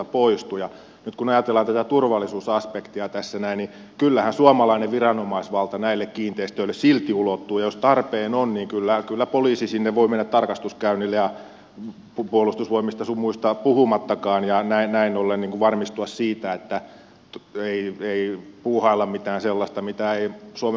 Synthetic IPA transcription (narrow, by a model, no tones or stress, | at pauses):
poist̪ujɑ | nyt̪kunɑjɑt̪elːɑnt̪æt̪æt̪urʋɑlːˑisuːsɑspekt̪iɑt̪æsːænæinni | kylːæhænsuɑmɑlɑineʋʋirɑnomɑisʋɑlt̪ɑnæilːekkiːnt̪eist̪ølːessilt̪iulot̪ːuːjɑjost̪ɑrpeːnonniːŋkylːækylːæpoliːsisinːeʋʋoimenːæt̪t̪ɑrkɑst̪uskæynilːejɑ | pupuolust̪usʋoimist̪ɑsumuist̪ɑpuhumɑt̪ːɑkɑːnjɑnæinnæinolːenniːŋkuʋʋɑrmist̪uɑssiːt̪æet̪ːæ | eieipuːhɑilːɑmmit̪æːnselːɑst̪ɑmit̪æeisuɑm